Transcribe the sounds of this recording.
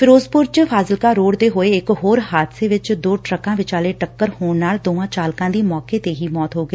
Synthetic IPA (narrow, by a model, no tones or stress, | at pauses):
fʰɪɾoːzpʊɾt͡ʃpʰaːzɪlkaːɾoːɽd̪eːɦoːeɪkɦoːɾɦaːd̪seːʋɪt͡ʃd̪oːʈɾəkãːʋɪt͡ʃaːleːʈəkːəɾhoːɳnaːld̪oːʋãːt͡ʃaːlkãːd̪iːmɔːkeːt̪eːɦiːmɔːt̪ɦoːɡəeː